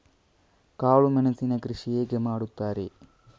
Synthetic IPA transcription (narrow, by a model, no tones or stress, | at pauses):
kaːɭumɐnɐsinɐkɾiʂijeːɡɐmaːɽut̪ːaːɾe